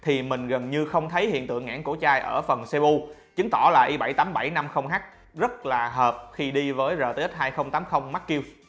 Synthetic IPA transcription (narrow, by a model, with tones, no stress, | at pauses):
t̪ʰi˨˩mï˨˩ŋ̟ɣə˨˩nɲɨ˧xə˧wŋ͡mt̪ʰə˨˦jhḭ˧˨ənt̪ɨ̰˧˨əŋːʔa̰ː˧˥nku˧˩t͡ɕaː˧jʔəː˧˩fə˨˩nse˧ʔu˧t͡ɕɨ˨˦ŋt̪ɔ˧˩laː˨˩ʔi˧ɓa˧˩jt̪aː˨˦mɓa˧˩jna˧mxə˧wŋ͡mɦaː˦˥k̚ | zə˦˥t̚laː˨˩ɦəː˨˩p̚xi˧ɗi˧vəː˨˦jzəː˨˩t̪ə˨˦˥t̚ɦaː˧jxə˧wŋ͡mt̪aː˨˦mxə˧wŋ͡mma˦˥t̚kːi˧w